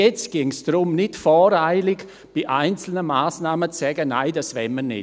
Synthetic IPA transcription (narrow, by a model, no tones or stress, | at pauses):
jɛt͡stɡ̥ɪŋsd̥ɾʊmnɪtfɔːɾaɪlɪɡ | b̥iʔaɪnt͡sl̩nəmaːsnaːmət͡ssɛɡəna̰ɪd̥asvɛmːənɪ̰